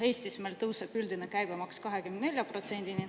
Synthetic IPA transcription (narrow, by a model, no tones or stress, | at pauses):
he̞jst̪ismelt̪ɤwsepyld̪inekæjb̥emɑkskɑɦe̞kymnne̞lʲjɑpro̞t̪se̞nd̪̥ini